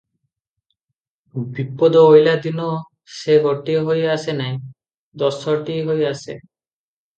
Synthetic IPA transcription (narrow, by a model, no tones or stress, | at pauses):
bipːod̪ɔojlad̪inɔ | seɡʱɔʈiɦojasenaj | d̪ɔsɔʈiɦojasḛ